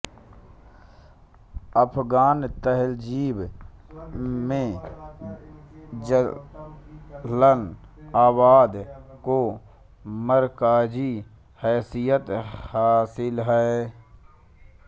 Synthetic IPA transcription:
əpʰɡaːnt̪əɦɛld͡ʒiːb | mẽ | d͡ʒə | lənaːbaːd̪ko | məɾkaːd͡ʒi | hɛːsijət̪haːsɪlɦɛː

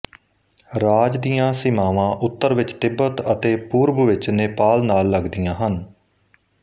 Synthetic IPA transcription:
ɾaːd͡ʒd̪ijãːsɪmaːʋãːʔʊt̪ːəɾʋɪt͡ʃt̪ɪbət̪ət̪eːpuːɾbəʋɪt͡ʃnɪpaːlnaːlːəɡd̪ijãːɦən

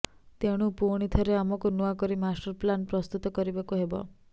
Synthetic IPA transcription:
t̪eɽ̃upuɽ̃it̪ʰɔɾeamɔkunuakɔɾimasʈɔɾplanpɾɔst̪ut̪ɔkɔɾibakuɦebɔ̰

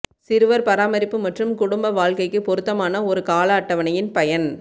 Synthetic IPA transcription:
sɪɾɯʋɐɾpɐɾaːmɐɾɪpːɯmɐʈrɯmkʊɽʊmbɐʋaːɭkɐɪkːɯpɔɾɯt̪ːɐmaːnɐɔɾɯkaːlɐːʈːɐʋɐnɐjɪnpɐjɐn

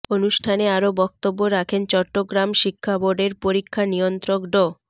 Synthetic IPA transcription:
onuʃʈʰaneaɾobɔk̚t̪obːoɾakʰent͡ɕɔʈːoɡɾamʃikʰːaboɾɖeɾpoɾikʰːanijont̪ɾokɖo

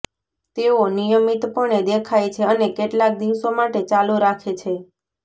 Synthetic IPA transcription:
t̪eonijəmit̪pəɳed̪ekʰajt͡ʃʰeənekeʈlak̚d̪iʋsomaʈet͡ʃaluɾakʰet͡ʃʰe

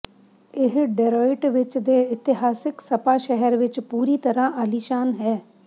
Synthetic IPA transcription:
ɪɦɖɛɾoːɪʈʋɪt͡ʃd̪eːɪt̪ɪɦaːsɪksəpaːʃɛɦəɾʋɪt͡ʃpuːɾiːt̪əɾãːʔaliːʃaːnɦɛː

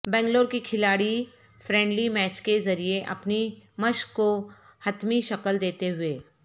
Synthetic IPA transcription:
bɛ̃ːŋɡloːɾkikʰɪlaːɽi | fɾɛ̃ːɳɖlimɛːt͡ʃkezɐɾieʔɐ̰pnimɐʃkːo | hɐt̪miʃɐkəld̪eːt̪eɦʊeː

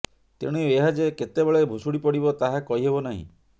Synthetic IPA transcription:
t̪ḛɽ̃ueɦad͡ʒeket̪ebeɭebʱusuɽipɔɽibɔt̪aɦakɔɦiɦebɔnaɦḭ̃

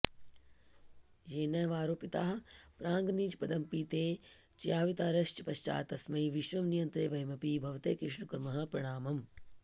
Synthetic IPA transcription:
jeːnɐjʋaːɾoːpit̪aːɦpɾaːŋɡniːd͡ʒpɐd̪ɐmpiːt̪eː | t͡ʃjaːʋit̪aːɾɐʃt͡ʃɐpɐʃt͡ʃa̰ːt̪ɐsmɐiʋiʃʋɐmnijɐnt̪ɾeːʋɐjmɐpiːbʱɐʋt̪eːkɾɪʃɳukɾɐmɐɦɐ̆pɾɐɽ̃aːmɐm

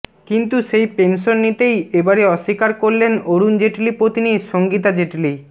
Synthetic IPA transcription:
kint̪uʃejpenʃonːit̪ejebaɾeɔʃːikaɾkoɾlenoɾund͡ʑeʈlipɾot̪iniʃoŋɡit̪ad͡ʑeʈli

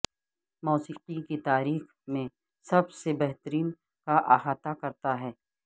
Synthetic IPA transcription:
mɔːsiːqikit̪aːɾiːx | mẽ | sɐbsebɛɦt̪əɾiːn | kaʔaːɦaːt̪akɐɾt̪aɦɛː

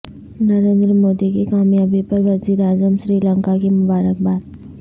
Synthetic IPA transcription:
nɐɾẽːnd̪ɾəmoːd̪ikekaːmjaːbepɐɾʋɐziːɾaːzəmʃɾiːlə̃ŋkakemʊbaːɾək̚baːd̪

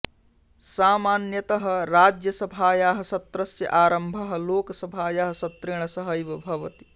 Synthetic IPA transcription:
saːmaːnjɐt̪ɐɦɐ̆ɾaːd͡ʒjɐsɐbʱaːjaːɦɐ̆sɐt̪ɾɐsjɐ̰ʔaːɾɐmbʱɐɦɐ̆loːkɐsɐbʱaːjaɦɐ̆sɐt̪ɾeɳ̃ɐsɐɦɐjʋɐbʱɐʋɐt̪i̥

